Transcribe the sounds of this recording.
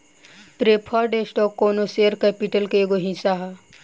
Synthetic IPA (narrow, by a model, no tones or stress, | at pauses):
t̪ɾepʰaɖesʈɔkːoːnoseːɾkɛpiʈəlkeɡoɦĩsaɦa